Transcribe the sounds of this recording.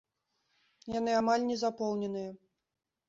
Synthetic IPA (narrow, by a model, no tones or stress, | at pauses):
janɨamalʲnʲɛzapɔwnʲɛn̪ɨjɛ